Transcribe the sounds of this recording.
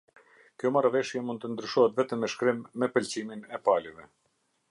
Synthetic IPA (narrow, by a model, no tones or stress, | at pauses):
kjɔmaɾavɛʃjɛmund̪̚t̪ənd̪ɾyʃɔɦɛt̪vɛt̪əmːɛʃkɾimːɛpəlt͡ɕiminɛpalɛvɛ